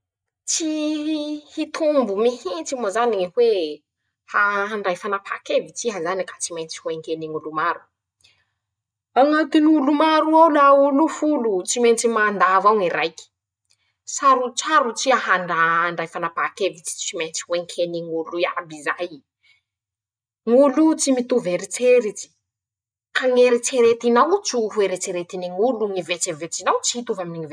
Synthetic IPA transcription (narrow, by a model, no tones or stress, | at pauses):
t͡si | hit̪ʰumbumihint͡simozanihwe | haɦaɳɖ͡ʐajfanapʰakevit͡siɦazanikḁt͡simejnt͡si̥huweŋkeniŋulumaɾu̥ | aŋakiniulumaɾuawlaulufulut͡siment͡simand̪avaŋiɾajki̥ | saɾut͡saɾut͡siahaɳɖ͡ʐaɳɖ͡ʐajfanapakevit͡si̥iment͡si̥weŋkʰeniŋulujabizaj | ŋulut͡simit̪uveɾit͡seɾit͡si̥ | kaŋeɾit͡seɾet̪inawt͡siɦueɾet͡seɾet̪iniŋuluŋivet͡sevet͡sinawt͡siit̪uvaminiŋive